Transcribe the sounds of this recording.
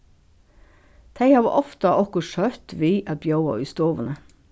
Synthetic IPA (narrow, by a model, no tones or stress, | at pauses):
t̪ʰæɪhɑːʋɑ̰ʔɔft̪ɑʔɔkɔʃœt̪ʋiːʔɑbjɑʊɑ̰ːʉst̪oːʋənə